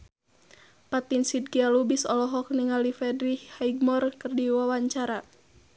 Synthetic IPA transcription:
pat̪insid̚ɡialubisɔlɔɦɔk̚niŋalifɛdɾihhaiɡ̚mɔrkɨrdiwawaɲt͡ʃaɾa

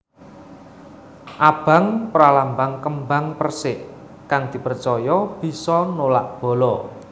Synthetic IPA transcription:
ʔab̥a̤ŋpɾalambaŋkəmbaŋpərsɪʔ | kaŋd̪̥i̤pərt͡ʃɔjɔb̥i̤sɔnolaʔb̥ɔ̤lɔ

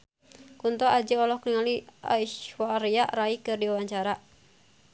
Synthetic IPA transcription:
kunt̪ɔʔad͡ʒəɔlɔhkniŋalia̰iʃwaɾiaʔɾaikɨrdiwawaɲt͡ʃaɾa

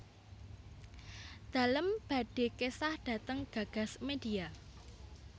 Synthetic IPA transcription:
d̪̥a̤ləmb̥ä̤ɖ̥e̤kesahɖ̥ä̤t̪əŋɡ̥ä̤ɡ̥a̤smed̥ia

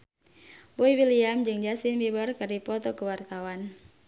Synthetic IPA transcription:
boiwiliamd͡ʒɨŋd͡ʒasinbibərkɨrdipɔt̪ɔkəwart̪awan

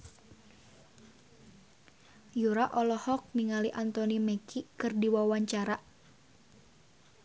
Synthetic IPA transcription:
juɾaʔɔlɔhɔk̚miŋaliʔant̪ɔnimɛkikɨrdiwawaɲt͡ʃaɾa

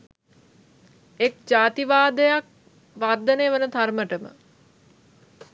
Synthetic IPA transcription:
ek̚d͡ʒaːt̪iʋaːd̪əjak̚ | ʋaːrd̪əneːʋənət̪arməʈəmə̰

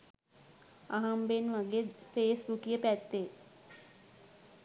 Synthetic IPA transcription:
aɦambenʋaɡed̪feːsbukijəpæt̪ːe

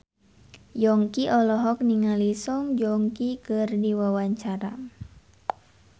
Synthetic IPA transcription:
jɔŋkiʔɔlɔɦɔk̚niŋalisɔŋd͡ʒɔŋkikərdiwawaɲt͡ʃaɾa

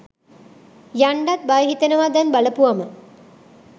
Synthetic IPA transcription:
jaɳɖat̪̚bajəɦit̪ənəʋad̪ɛnbaləpuʋamə

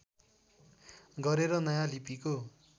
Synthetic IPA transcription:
ɡʌɾeɾʌnʌjãlipiko

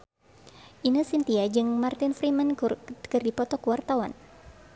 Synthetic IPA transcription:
ʔinusint̪iad͡ʒɨŋmart̪ɪnfɾimankɨrdipɔt̪ɔkəwart̪awan

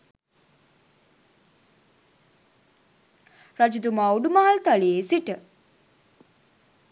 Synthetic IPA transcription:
ɾad͡ʒud̪umawɖumaːlt̪aliesiʈə

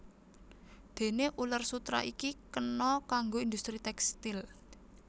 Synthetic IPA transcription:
d̪̥e̤neʔulərsut̪ɾa̰ʔikikənɔkaŋɡoind̪ust̪ɾit̪ɛkst̪ɪl

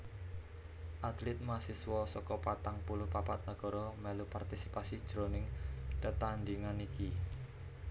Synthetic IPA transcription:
ʔat̪lɪt̪̚masiswɔsɔkɔpat̪aŋpulʊhpapat̪̚nəɡ̥ɔ̤ɾɔmɛlupart̪isipasid̥ʒ̥ɾonɪŋt̪ət̪and̪iŋaniki

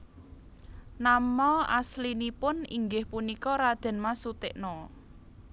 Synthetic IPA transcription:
namɔa̰slinipʊnḭŋɡɪhpunikɔɾad̪̥ɛ̤nmasut̪ɪʔnɔ

